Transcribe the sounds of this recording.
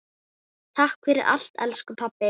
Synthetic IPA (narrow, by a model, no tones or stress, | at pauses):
t̪ʰahkfɛɾɪɾa̰l̥t̪ɛ̰lskʏpʰapːɪ